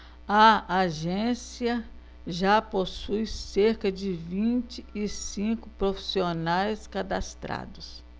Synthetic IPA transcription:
ɐaʒẽsiɐ | ʒaposujseɾkɐd͡ʒɪvĩt͡ʃɪɪsĩkʊpɾofi̥sionajskad̪ast̪ɾa̰d̪ʊs

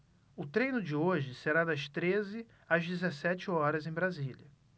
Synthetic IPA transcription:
ʊt̪ɾẽjnʊd͡ʒɪoʒɪseɾad̪ɐʃt̪ɾezɪ | azd͡ʒɪzesɛt͡ʃɪɔɾɐzẽj̃bɾazilɐ

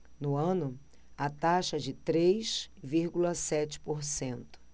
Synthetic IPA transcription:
nʊɐ̃nʊ | at̪aʃɐd͡ʒɪt̪ɾejʃviɾɡulɐsɛt͡ʃɪ̥poɾsẽnt̪ʊ̥

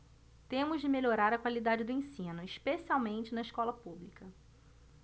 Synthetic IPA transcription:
t̪ẽmʊʒd͡ʒɪmeʎoɾaɾɐkwalid̪ad͡ʒɪd̪ʊẽsĩnʊiʃpesiawmẽnt͡ʃɪnɐiʃkɔlɐpublikɐ

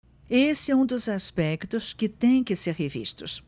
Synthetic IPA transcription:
esɛũd̪ʊzaspɛkt̪ʊskɪt̪ẽj̃kɪseɾhevḭʃt̪ʊ̰s

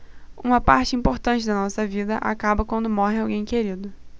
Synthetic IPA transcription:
ũmɐpaɾt͡ʃɪĩpoɾt̪ɐ̃t͡ʃɪd̪ɐnɔsɐvid̪ɐʔa̰kabɐkwɐ̃nd̪ʊmɔɦɪawɡẽj̃keɾid̪ʊ

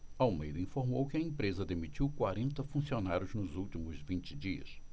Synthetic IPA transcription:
awmḛjd̪ɐĩfoɾmowkɪɐẽpɾezɐd̪emit͡ʃiwkwaɾẽnt̪ɐfũsionaɾjʊznʊzuwt͡ʃimʊzvĩnt͡ʃɪd͡ʒiɐ̰s

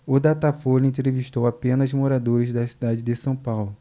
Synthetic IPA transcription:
ʊd̪at̪afolẽt̪ɾeviʃt̪owapẽnɐzmoɾad̪oɾɪzd̪ɐsid̪ad͡ʒɪd̪ɪsɐ̃w̃pawlʊ

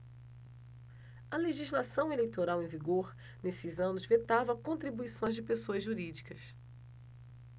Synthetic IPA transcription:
ɐleʒizlasɐ̃w̃elejt̪oɾawẽviɡoɾ | nesɪzɐ̃nʊzvet̪avɐkõt̪ɾibuisõj̃zd͡ʒɪpesoɐzʒuɾid͡ʒikɐs

